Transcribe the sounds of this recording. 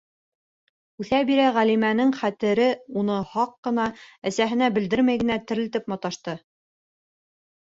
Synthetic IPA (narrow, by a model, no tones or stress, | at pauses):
ʉθæbiɾæʁælimænɘŋχæt̪ɘ̆ɾɘunɤhɑqːɤ̆nɑæsæɦɘ̆næbɘ̆ld̪ɘɾmæjɡɘ̆næt̪ɘ̆ɾlɘt̪ɘpmɑ̆t̪ɑʃt̪ɤ